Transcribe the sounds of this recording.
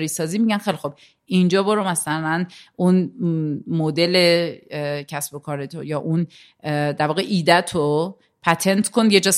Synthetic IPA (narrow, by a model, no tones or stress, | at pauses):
ɾiːsɒːziːmiɟænxejlixob̥̚ | ind͡ʒɒːboɾomæsælænʔun | mod̪e̞le | cʰæsbo̞kʰɒːɾet̪ʰojɒːʔun | d̪æɾvɒːɣeʔiːd̪æt̪ʰo | pʰæt̪ʰe̞nt̪ʰkʰond̪je̞d͡ʒɒːs